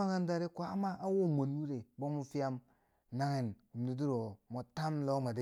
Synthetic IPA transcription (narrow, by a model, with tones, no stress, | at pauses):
a˦ŋa˦nda˦ɾe˦kʷa˨˦ma˦ʔa˦wo˦mo˨n˦wu˦ɾe˨bo˦mu˦fi˦ja˦m | na˦ŋe˨nu˨m˨di˨di˦ɾo˨mo˨ta˦mlo˦ma˨de˦